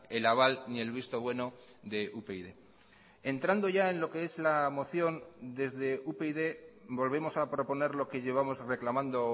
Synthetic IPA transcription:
e̞laβ̞alnie̞lβ̞ist̪oβ̞we̞no̞ | ðe̞ʔupeiðe̞̰ | e̞nt̪ɾand̪o̞ʝae̞nlo̞ke̞e̞zlamo̞θjo̞nd̪e̞zðe̞upeiðe̞bo̞lβe̞mo̞sapɾo̞po̞ne̞ɾlo̞ke̞ʝe̞β̞amo̞zre̞klamãnd̪o̞

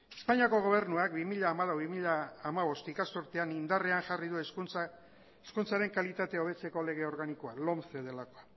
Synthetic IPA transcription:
espaɲiako̞ɣ̞o̞β̞e̞ɾnuak̚bimiʎaːmalawβimiʎaːmaβ̞o̞st̪ikasuɾt̪eanind̪are̞aŋʝarið̞ue | eskunt͡saɾe̞ŋkalit̪at̪e̞o̞βe̞t͡se̞ko̞le̞ɣ̞e̞o̞ɾɣanikoalo̞mθeð̞e̞lako̞a

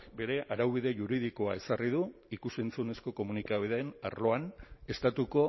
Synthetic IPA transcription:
be̞ɾe̞ʔaɾawβ̞iðe̞ʝuɾið̞iko̞ae̞sarið̞uikuse̞nt͡sune̞sko̞ko̞munikaβiðeːna̰rlo̞ane̞st̪at̪uko̞

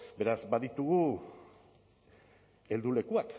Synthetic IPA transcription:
be̞ɾazbaðit̪uɣu | e̞ld̪ule̞kuak

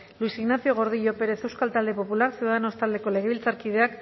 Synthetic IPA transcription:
luisiɣnaθio̞ɣ̞o̞ɾðiʝo̞pe̞ɾe̞θewskalt̪ald̪e̞po̞pulaksiuðaðeno̞st̪ald̪e̞ko̞le̞ɣ̞e̞βilt͡saɾkið̞e̞ak

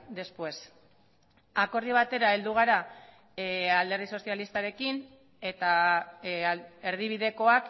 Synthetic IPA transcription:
d̪e̞spwe̞s | ako̞ɾðiβ̞at̪e̞ɾae̞ld̪uɣ̞aɾa | ald̪e̞rðiso̞sjalist̪aɾe̞kin | e̞t̪a | e̞ɾð̞iβ̞iðe̞ko̞ak

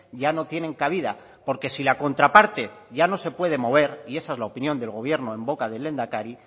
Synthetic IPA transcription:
ɟ͡ʝano̞t̪je̞ne̞ŋkaβ̞ið̞a̰ | po̞ɾke̞silako̞nt̪ɾapaɾt̪e̞ʝano̞se̞pwe̞ð̞e̞mo̞β̞e̞ɾie̞saezlaopinjo̞nd̪e̞lɣ̞o̞β̞je̞ɾno̞e̞mbo̞kaðe̞le̞nd̪akaɾi

